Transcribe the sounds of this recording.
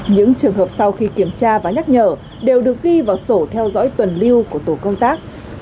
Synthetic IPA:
ɲɨ̰˧˥ŋt͡ɕɨ˨˩əŋɦəː˨˩p̚sa˧wxi˧ki˧˩əmt͡ɕaː˧vaː˨˩ɲa˦˥t̚ɲəː˧˩ | ɗe˨˩wɗɨ˨˩ək̚ɣi˧vaː˨˩wso˧˩t̪ʰɛ˧wzɔ̰˧˥jt̪wə˨˩nli˧əwku˧˩ət̪o˧˩kə˧wŋ͡mt̪aː˦˥k̚

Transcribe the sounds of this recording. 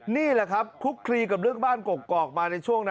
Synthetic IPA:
niː˥˩la˨˩kʰa˦˥p̚kʰu˦˥kʰːɾiː˧ka˨˩p̚ɾɯ˥˩əŋbaː˥˩nko˨˩kːɔː˨˩k̚maː˧na˧jt͡ɕʰu˥˩əŋna˦

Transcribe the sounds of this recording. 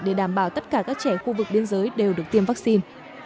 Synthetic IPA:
ɗe˧˩ɗaː˧˩mɓaː˧˩wt̪ə˦˥t̚kaː˧˩kaː˦˥k̚t͡ɕɛ˧˩xu˧vɨ˨˩k̚ɓi˧ənzəː˨˦jɗe˨˩wɗɨ˨˩ək̚t̪i˧əmva˦˥k̚si˧n

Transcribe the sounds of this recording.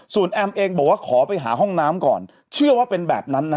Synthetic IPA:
su˨˩ənʔɛː˧mʔeː˧ŋbɔː˨˩k̚waː˥˩kʰɔː˩˦pa˧jɦa̰ː˩˦ɦɔ˥˩ŋnaː˦˥mkɔ̰ː˨˩n | t͡ɕʰɯ˥˩ɐwaː˥˩pe˧nbɛː˨˩p̚na˦˥nːa˦

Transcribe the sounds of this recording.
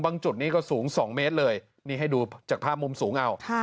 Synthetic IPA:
baː˧ŋt͡ɕu˨˩t̪̚niː˥˩kɔː˥˩suː˩˦ŋsɔː˩˦ŋmeː˦˥t̪̚lɤː˧j | niː˥˩ɦa˥˩jduː˧t͡ɕaː˨˩k̚pʰaː˥˩p̚mu˧msuː˩˦ŋʔa˧wʰ

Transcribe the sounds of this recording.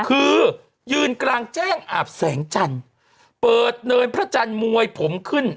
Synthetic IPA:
kʰɯː˧ | jɯː˧nklaː˧ŋt͡ɕɛː˥˩ŋʔaː˨˩p̚sɛː˩˦ŋt͡ɕa˧n | pɤː˨˩t̪̚nɤː˧npʰɾa˦˥t͡ɕa˧nmu˧əjpʰo˩˦mkʰɯ˥˩n

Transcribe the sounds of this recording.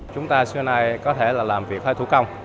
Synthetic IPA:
t͡ɕʊ˨˦ŋ͡mt̪aː˧sɨ˧˦naː˧jkɔ˨˦t̪ʰe˧˩laː˨˩laː˨˩mvi˨˩ək̚həː˧jt̪ṵ˧˥˦kə˧wŋ͡m

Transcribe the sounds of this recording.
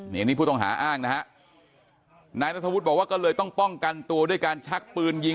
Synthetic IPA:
a˧ŋniː˦pʰuː˥˩ɔ˥˩ŋɦa̰ː˩˦ʔaː˥˩ŋna˦˥kʰa˦˥ʔ | naː˧jt̪a˦˥t̪ʰːwt̪̚bɔ˨˩waː˥˩kɔː˥˩lɤː˧jt̪ɔ˥˩ŋpɔ˥˩ŋka˧nt̪u˧ɐdu˥˩əjkaː˧nt͡ɕʰa˦˥k̚pɯː˧nji˧

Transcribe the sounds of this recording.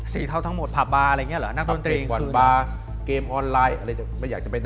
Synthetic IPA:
sḭː˨˩˦t̪ʰa˧wt̪ʰa˦˥ŋmo˨˩t̪̚pʰa˨˩p̚baː˧ɾa˧˨ŋi˦˥˨lɯ̰˩˦na˦˥k̚do˧nt̪ɾiː˧ɔ˨˩˧baː˧ | keː˧mʔɔː˧nlaː˧jʔa˧ɾa˧˩ja˨˩ma˥˩jaː˨˩t͡ɕa˨˩pe˧n

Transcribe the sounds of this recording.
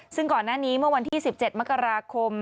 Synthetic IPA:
sɯ˥˩ŋkɔː˨˩nːaː˥˩niː˦˥mɯ˥˩ɐwa˧nt̪ʰiː˥˩si˨˩p̚t͡ɕe˨˩t̪̚ma˦˥kːa˧ɾaː˧kʰo˧m

